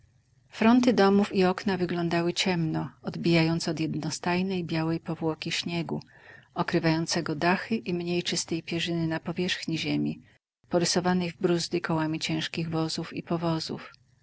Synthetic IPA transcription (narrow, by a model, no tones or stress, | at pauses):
fɾɔnt̪ɘd̪ɔmufiɔknavɘɡlɔnd̪awɘt͡ɕɛmnɔɔd̪bʲijajɔnt̪sɛɔd̪jɛd̪nɔst̪ajnɛjbʲjawɛjpɔvwɔkʲiɕɲɛɡu | ɔkɾɘvajɔnt̪sɛɡɔd̪axɘʔimɲejt͡ʂɘst̪ɛjpʲjɛʐɘnɘnapɔvʲjɛʂxɲiʑemʲi | pɔɾɘsɔvanɛjvbɾuzd̪ɘkɔwamʲit͡ɕɛ̃w̃ʂkʲiɣvɔzufḭpɔvɔzṵf